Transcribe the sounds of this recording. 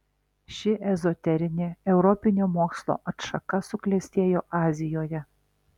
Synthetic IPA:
ʃʲɪʔɛzɔt̪ʲɛɾʲɪnʲeːɛʊɾɔpʲɪnʲoːmoːkslˠo̰ːʔɐt̪ʃɐkɐsʊklʲɛsʲt̪ʲeːjoːʔɑːzʲɪjoːjɛ

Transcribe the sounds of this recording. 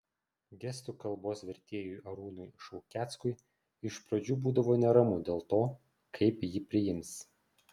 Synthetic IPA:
ɡʲɛsʲt̪uːkɐlˠboːsʋʲɛɾʲt̪ʲeːjʊjʔɐɾuːnʊjɪʃɔʊkʲæːt̪skʊɪ | ɪʃpɾɐd͡ʒʲuːbuːd̪ɐʋoːnʲɛɾɐmʊd̪ʲeːlˠt̪oː | kʰɐɪpjiːpʲɾʲɪjɪmʲs

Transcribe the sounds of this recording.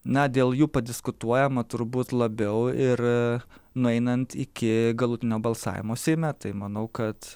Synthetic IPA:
nɐd̪ʲeːlˠjuːpɐd̪ʲɪskʊt̪uɔjɛmɐt̪ʊɾbuːt̪lˠɐbʲɛʊɪɾ | nʊɛɪnɐnt̪ɪkʲɪɡɐlˠʊt̪ʲɪnʲoːbɐlˠsɑ̰ːʋʲɪ̰moːsʲeːmʲɛt̪ɐɪmɐnɐʊkɐt̪

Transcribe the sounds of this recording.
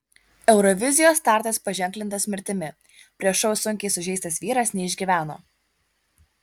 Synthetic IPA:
ɛʊɾɔʋʲɪzʲɪjoːst̪ɑˑɾt̪ʲɐspɐʒʲɛŋʲklʲɪnt̪ɐsmʲɪɾʲt̪ʲɪmʲɪ | pʲɾʲiɛʃɔʊsʊŋʲkʲɛɪsʊʒʲɛɪst̪ɐsʋʲiːɾɐsnʲɛɪʒʲɡʲiːʋʲæːno̰ː

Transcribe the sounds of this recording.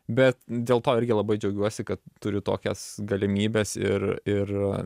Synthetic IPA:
bʲɛt̪dʲeːlˠt̪oːɪɾʲɡʲɪlˠɐbɐɪd͡ʒʲɛʊɡʲuɔsʲɪkɐt̪tːʊɾʲɪt̪o̰ːkʲɛsɡɐlʲɪmʲiːbʲeːsɪ̰ɾɪr

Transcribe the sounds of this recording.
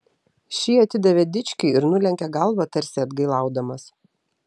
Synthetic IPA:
ʃʲiːɐt̪ʲɪd̪ɐʋʲɛd̪ʲɪt͡ʃʲkʲɪɪɪɾnʊlʲɛŋʲkʲɛɡɐlˠʋɐt̪ɐɾʲsʲɪɐd̪ɡɐɪlˠɑˑʊd̪ɐmɐs

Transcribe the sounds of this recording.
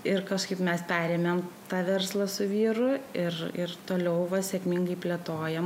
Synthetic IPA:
ɪrkɐʃkɐɪpmʲɛspʲæːɾʲemʲɛmt̪ɑːʋʲɛrslˠɐsʊʋʲiːɾʊɪrɪrt̪oːlʲɛʊʋɐsʲɛkmʲɪŋɡɐɪpʲlʲɛt̪oːjɛm

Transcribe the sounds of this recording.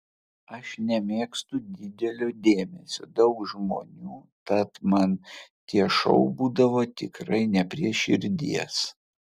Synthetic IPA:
ɐʃnʲɛmʲeːkst̪ʊd̪ʲɪd̪ʲɛlʲoːd̪ʲeːmʲɛsʲo̰ːd̪ɐʊkʒmo̰ːnʲuːt̪ɐt̪mɐnt̪ʲiɛʃɐ̰ʊbuːd̪ɐʋoːt̪ʲɪkɾɐɪnʲɛpʲɾʲiɛʃʲɪɾʲd̪ʲiɛs

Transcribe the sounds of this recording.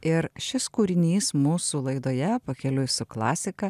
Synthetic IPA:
ɪɾʃʲɪskuːɾʲɪnʲiːsmuːsulˠɐɪd̪oːjɛpɐkʲɛlʲʊsʊklˠɑːsʲɪkɐ

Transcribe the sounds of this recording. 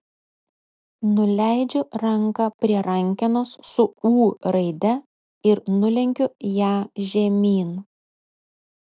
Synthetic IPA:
nʊlʲæˑɪd͡ʒʲʊɾɐŋkɐpʲɾʲiɛɾɐŋʲkʲɪnossʊuːɾɐɪd̪ʲɛ | ɪɾnʊlʲɛŋʲkʲʊjæːʒʲɛmʲiːn

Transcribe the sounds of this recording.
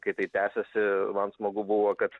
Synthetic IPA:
kɐɪt̪ɐɪt̪ʲæːsʲɛsʲɪmɐnsmoːɡʊbʊʋoːkɐt̪

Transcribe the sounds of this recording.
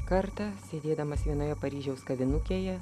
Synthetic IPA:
kɐɾt̪ɐsʲeːd̪ʲeːd̪ɐmɐsʋʲiɛnoːjɛpɐɾʲiːʒʲɛʊskɐʋʲɪnʊkʲeːjɛ

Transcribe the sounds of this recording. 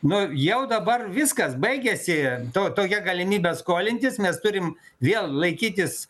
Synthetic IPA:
nʊjɛʊd̪ɐbɐrʋʲɪskɐsbɐɪɡʲɛsʲɪt̪oːt̪oːkʲɛɡɐlʲɪmʲiːbʲɛskoːlʲɪnʲt̪ʲɪsmʲɛst̪ʊɾʲɪm | ʋʲeːlˠlˠɐɪkʲiːt̪ʲɪs

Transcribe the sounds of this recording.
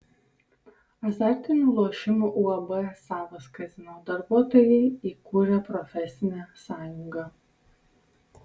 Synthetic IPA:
ɐzʲɑˑɾʲt̪ʲɪnʲuːlˠuɔʃʲɪmuˑʔuɐbɛsɑːʋɐskɐzʲɪnoːd̪ɐɾbuɔt̪ɔːjɛɪiːkʊɾʲɛpɾɔfʲɛsʲɪnʲæsɑːjʊŋɡɑ

